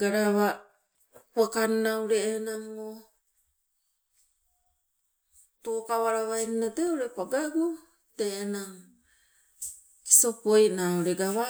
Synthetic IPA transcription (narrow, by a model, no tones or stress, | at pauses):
ɡaɾaβa | wakannawɾeenaŋo | tokawaɾaβajninateoɾepaɡaɡu | teːnaŋ | sopojnauɾeɡaβa